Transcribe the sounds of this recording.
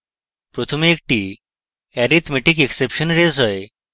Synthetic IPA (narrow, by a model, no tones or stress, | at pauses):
pɾot̪ʰomeːk̚ʈi | ɛɾit̪ʰmeʈik̬eksepʃɔnɾezɔe